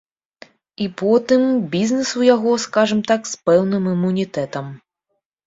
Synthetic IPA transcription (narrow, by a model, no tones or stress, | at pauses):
ipɔt̪ɨmbʲiznɛsujaɣɔskaʐɨmt̪akspɛwnɨmimːunʲit̪ɛt̪ɐm